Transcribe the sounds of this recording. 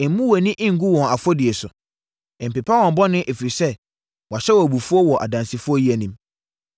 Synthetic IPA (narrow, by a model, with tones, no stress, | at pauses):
ɛ˨m˦mũ˦wɔ˨nĩ˦ʔɪ̃˦ŋ̩˨ɡu˦wɔ̃˨a˨fɔ˦dɪ˨e˨sʊ̃˨ | m̩˨pe˨pʰa˦wɔ̃˨m̩˨bɔ˦nɪ̃˦ʔe˨fi˨ɾi˨sɛ˦ | wa˨ɕɛ˦wɔ˨bu˨fu˦ɔ˦wɔ˨ʔa̰˨dã˨nsi˨fʊ˦ɔ˦ji˦æ˨nĩ˦m